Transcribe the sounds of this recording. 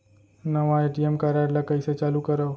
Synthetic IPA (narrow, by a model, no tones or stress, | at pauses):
nəʋaeʈiemkaɾaɽlakəjset͡ʃalũkəɾəʋ